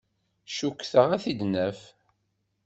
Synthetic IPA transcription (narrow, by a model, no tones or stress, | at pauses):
ʃukːθəʁæθid̪nəf